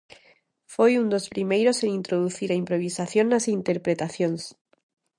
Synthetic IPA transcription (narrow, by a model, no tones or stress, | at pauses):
fojund̪o̞spɾimejɾo̞senint̪ɾoðuθiɾaimpɾo̞β̞isaθjonːasint̪e̞ɾpɾe̞t̪aθjo̞ns